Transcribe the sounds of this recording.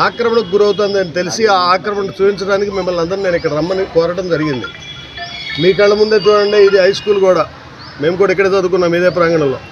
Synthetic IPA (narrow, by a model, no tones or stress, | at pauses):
aːkɾɐmɐɳɐɡuɾɐwut̪̬aːnd̪ɐnit̪elisiaːaːkɾɐmɐɳsuːʋiɲt͡ʃɐɽaːnikimimːɐɭɐnd̪ɐɾnine̞ːnikːɐɽɐnɐmːɐnikɔːɾaːʈɐmd͡ʒɐɾiɡind̪ḭ | miːk̬aːɭlɐmund̪e̞ːt͡ʃuːɾɐɳɖeːid̪iɦɐjskuːlkuːɽaː | me̞ːmk̬uːɽaːikːɐɽeːd̪ɐd̪uk̬unːaːmiːd̪eːpɾaːŋɡɐɳɐlo̞ː